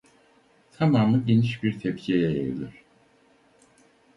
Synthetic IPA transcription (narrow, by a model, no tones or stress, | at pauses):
t̪ʰamaːmɯɟeniʃbiɾt̪ʰɛpcʰiejɛjḛjlʲyɾ̥